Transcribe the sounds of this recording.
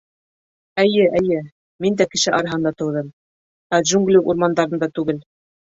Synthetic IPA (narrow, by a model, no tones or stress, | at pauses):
ɘ̆jɘʔɘ̆jɘ | mind̪ækɘ̆ʃɘʔɑɾɑɦɤ̆nd̪ɑt̪ɤ̆wðɤm | æʒuŋɡlʲiʔṵɾmɑnd̪ɑɾɤ̆nd̪ɑt̪ʉɡɘl